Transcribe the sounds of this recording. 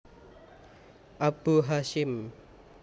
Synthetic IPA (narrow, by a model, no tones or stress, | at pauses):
ʔab̥uɦaʃɪm